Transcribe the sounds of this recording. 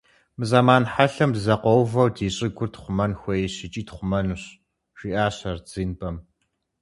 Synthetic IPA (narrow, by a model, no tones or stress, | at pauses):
mɨzamaːnħaɬɐmdzɐqʷɔwvɐwdiːɕʼɪɡʷʊrtχʷʊmɐnxʷɐjiɕɪt͡ʃʼiːtχʷʊmɐnuɕ | ʒiːʔaːɕɐrd͡ziːnbɐm